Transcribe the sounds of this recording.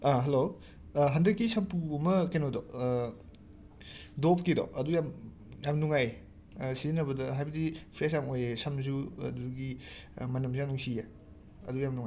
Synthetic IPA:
aɦɐlo | ɦɐndɐkːisɐmpuɐmɐkenodɔ | dopkidɔ̰ʔɐdujam | jamnuŋaj | sizinɐbɐdɐɦajbɐdipʰɾesjamojesɐms̬ṵduɡimɐnɐmsujamnuŋsije | ɐ̰dujamnuŋa

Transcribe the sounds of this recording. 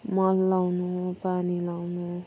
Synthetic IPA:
mʌlːawnupanilawnu

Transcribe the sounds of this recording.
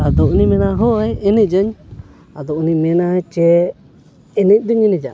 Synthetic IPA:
ad̪ɔʔnimɛnaɦɔɛɛnɛd͡ʒəɲ | ad̪ɔʔnimɛnat͡ʃɛ | ɛnɛc̚ˀd̪ɔɲɛnɛd͡ʒa̰

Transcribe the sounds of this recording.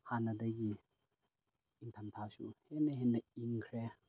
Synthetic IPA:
hanɐdɐɡi | iŋtʰamtʰasuhenːɐɦenːɐiŋkʰɾe

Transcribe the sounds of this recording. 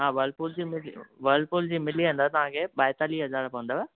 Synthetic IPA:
ɦãːʋəlpʊld͡ʑiːmɪlʋəlfʊld͡ʑiːmɪliə̃nd̪at̪ɐʋ̤ãkʰeːɓaːjt̪aliɦɐzaːɾpɐʋə̃nd̪aːɛː

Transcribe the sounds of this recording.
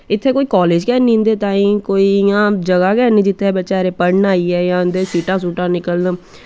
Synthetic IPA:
ɪt̪ʰːeːkoːiːkɔːleːd͡ʒkɛːnĩːnd̪eːt̪aːĩːkoːiːjãːd͡ʒəɡaːkɛːnĩːd͡ʒɪt̪ʰːeːbətːʃaːɾeːpəɽnaːiːɛːjãːnd̪eːsiːʈãːsuːʈãːnɪkəln

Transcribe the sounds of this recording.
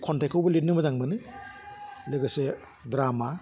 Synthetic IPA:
kʰɔntʰakʰowbɐlit̚nɯmɐzaŋbɯnɯ | leɡɯse | dɾama

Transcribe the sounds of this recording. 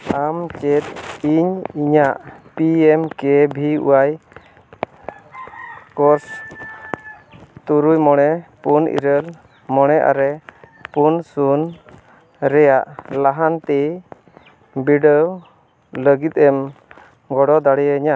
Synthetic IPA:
amt͡ʃɛt̪̚iɲiɲaʔpiɛmkɛbʱiṵwaj | kɔɾs | t̪uɾujmɔɽ̃ɛpunḭɾəl | mɔɽ̃ɛʔa̰ɾɛ | punsun | ɾɛjaʔlaɦant̪ɛ | biɖəw | ləɡit̪̚ˀɛm | ɡɔɽɔd̪aɽɛjəiɲaʔ

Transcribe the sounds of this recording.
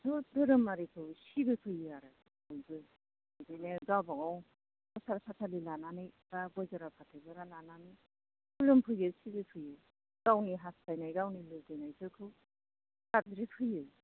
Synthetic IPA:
sɔdɯɾɯmaɾikʰɯwsibɯpʰɯjɯaɾa | ɔjbɯ | ɯzɯjneɡabaŋaw | ɔsaɾpʰatʰalilananɯjɡabɔjzɔɾapʰatʰɯɡɯɾalananɯj | kulɯmpʰɯjɯsibɯpʰɯjɯ | ɡ̥awniɦastajnajɡawnilɯdɯjnajzɯkʰɯw | kadɾipʰɯjɯ

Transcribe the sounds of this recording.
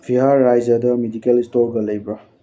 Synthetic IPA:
bʰiɦaːajzɐdɐmedikelistoɾɡɐlɐjbɾa

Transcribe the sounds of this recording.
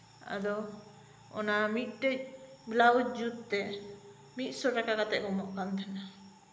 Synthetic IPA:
a̰d̪ɔ | ɔ̰namit̪̚ˀʈəc̚blaut̪̚d͡ʒut̪t̪ɛ | mit̪̚ˀsɔɾakakat̪ɛʔkɔmɔʔkant̪ʰana

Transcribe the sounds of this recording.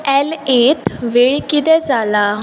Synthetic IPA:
ɛlet̪ʋeɭkit̪ɛd͡zala

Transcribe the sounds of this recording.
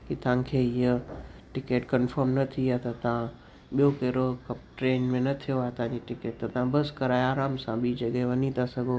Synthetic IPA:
kit̪ã̆kʰeːɪəʈɪkeːʈkənfəɾmnɐt̪ʰijat̪ɐt̪ɐʋã | ɓijokeːɾokɐp̚ʈɾeːnmẽnɐt̪ʰijoaːt̪ãd͡ʑiʈɪkeːʈ̚t̪ɐt̪ɐʋãbɐskɐɾaːeaːɾaːmsãɓiːd͡ʑɐɠɛɦeʋɐɲit̪ʰasɐɡʱo

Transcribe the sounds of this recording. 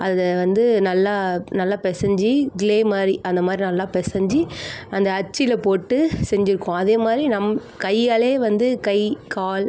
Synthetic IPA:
ʔɐðʋɐnd̪ɯnɐlːaːnɐlːaːpɛsɐɲd͡ʒiɡɪleːmaːd̪ɾiʔɐnd̪ɐmaːd̪ɾinɐlːaːpɛsɐɲd͡ʒiɐnd̪ɐːt͡ʃːɪlɐpoːʈːɯsɛɲd͡ʒɪɾɯkːʊ̃ɐðeːmaːd̪ɾinɐmː | kɐɪːaːleːʋɐnd̪ɯkɐɪkaːl

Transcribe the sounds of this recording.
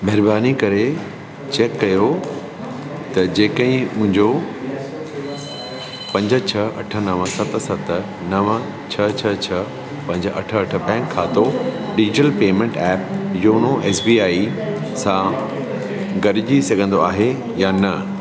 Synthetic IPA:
mɐɦɪɾbaːnikɐɾe | t͡ɕeːkːɐjo | t̪ɐd͡ʑeːkəĩmʊ̃ɦɪ̃ɲd͡ʑo | pɐ̃ɲd͡ʑət͡ɕʰɐɐʈʰə̆nɐʋə̃sɐt̪̆sɐt̪ | nɐʋə | t͡ɕʰɐt͡ɕʰɐt͡ɕʰɐ | pɐ̃ɲd͡ʑʔɐ̰ʈʰə̆ɐʈʰə̆bɛ̃ːŋkʰːaːt̪oɖɪd͡ʑɪʈəlpeːmẽɳʈɛːp̚joːnoʔeːsbiːaːisã | ɡɐɾɪd͡ʑisɐɡʱə̃nd̪oaːɦe | jaːnɐ

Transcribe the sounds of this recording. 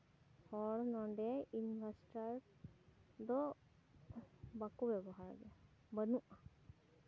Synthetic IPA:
hɔɽnɔɖɛinbʱasʈaɹ | d̪ɔ | bakubɛbɔɦaɹ̰ɡɛa | bənuʔa

